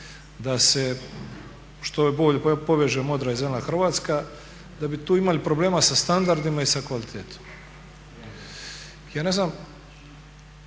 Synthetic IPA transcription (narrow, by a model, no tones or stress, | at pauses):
d̪ase̞ | ʃt̪oboʎepoʋeʒuemo̞d̪ɾaizemlaxr̩ʋaːt̪ska | d̪abit̪uːimalipɾoble̞ːmasast̪and̪aɾd̪imaisakʋalit̪ʰeːt̪ʰo̥m | jaːne̞znam